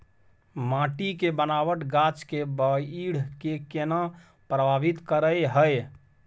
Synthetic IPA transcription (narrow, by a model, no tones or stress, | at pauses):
mãʈikebənaʋəʈɡat͡ʃkebəiɽ̤kekena | pɾəbʱabit̪kəɾəjɦəj